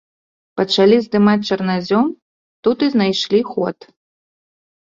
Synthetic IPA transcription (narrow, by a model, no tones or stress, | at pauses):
pɐt͡ʂalʲizd̪ɨmat͡sʲt͡ʂɐrnazʲɔm | t̪ut̪ɨznajʂlʲixɔt̪